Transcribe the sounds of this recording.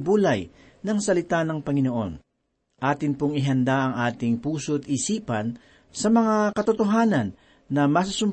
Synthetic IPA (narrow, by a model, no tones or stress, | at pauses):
buːlɐj | nɐŋsɐlɪt̪anɐŋpɐŋɪno̞ʔo̞̰n | ʔaːt̪ɪnpoŋɪɦɐnd̪aʔɐŋʔaːt̪ɪŋpuːsoʔɐt̪ʔisiːpɐn | sɐmɐŋakɐt̪ot̪oɦaːnɐnː | ɐmɐs̬ɐsʊm